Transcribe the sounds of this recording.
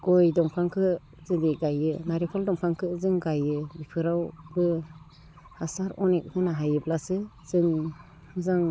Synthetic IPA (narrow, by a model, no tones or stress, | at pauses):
ɡɔjdɔŋpʰaŋkʰɯ | zɯdiɡajɯnaɾipʰɔldɔŋpʰaŋkʰɯzɯŋɡajɯbipʰɯɾawbɯ | hasaɾɔnek̚kʰɯnaɦajɯblasɯz̥ɯŋ | hɯzaŋ